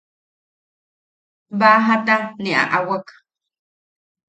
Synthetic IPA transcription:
baːɦat̪aniʔa̰ʔawak

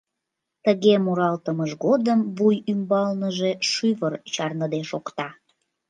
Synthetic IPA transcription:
t̪əɣemuɾɑlt̪əməʒɣod̪əmvujymbɑlnəʒeʃyvərt͡ɕɑrnəd̪eʃokt̪ɑ

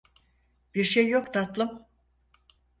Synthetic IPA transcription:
b̥iɾʃejːo̞kt̪ʰat̪lˠɯm

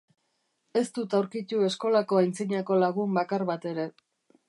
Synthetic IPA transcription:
e̞st̪ut̪awɾkit̪ue̞sko̞lako̞ajnt͡siɲako̞laɣ̞umbakaɾβat̪e̞ɾe̞

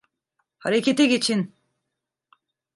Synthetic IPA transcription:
haɾekʰʲet̪ʰeɡʲit͡ʃʰin

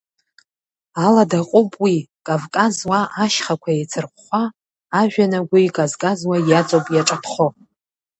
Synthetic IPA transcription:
aladaqʼʊpʼwikʼavkʼazwaʔaʃχakʷʰaet͡sʰɨrχʷχʷaː | ʒᶣanaɡʷaikʼazkʼazwajat͡sʼopʼjaʈ͡ʂʼapʰχo

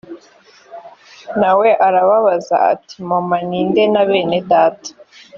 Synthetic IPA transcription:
nawe̞ʔaɾaβaβaza̰a̰ti̥momaniːnde̞naβe̞ːnedaːtḁ

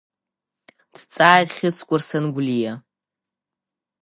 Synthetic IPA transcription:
d̥t͡sʼaːjtχʲɪt͡sʰkʷʼʊrsanɡʷlija

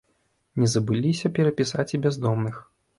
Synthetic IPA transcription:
nʲɛzɐbɨlʲisʲɐpʲɛɾɐpʲisat͡sʲibʲɛzd̪ɔmnɨx

